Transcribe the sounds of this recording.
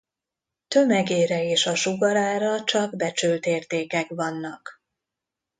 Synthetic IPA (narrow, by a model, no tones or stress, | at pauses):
t̪ø̞mɛɡeːɾɛeːʃɒʃuɡɒɾaːɾɒt͡ʃɒɡbɛt͡ʃylt̪eːrt̪eːkɛkvɒnːɒk